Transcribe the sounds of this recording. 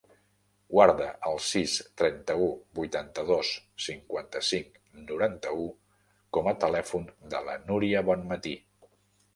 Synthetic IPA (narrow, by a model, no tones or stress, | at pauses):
ɡwaɾðəʔəlˠsist̪ɾɛnt̪əubujt̪ant̪əðosːiŋkwant̪əsiŋk | nuɾant̪əu | kɔmət̪əlɛfund̪ə̰lə̰nuɾiəβɔnmət̪i